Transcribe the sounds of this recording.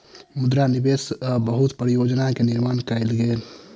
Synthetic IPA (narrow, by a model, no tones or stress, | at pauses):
mud̪ɾanibesbəɦut̪pɾijod͡ʒnakeniɾmaːnkaɪlɡel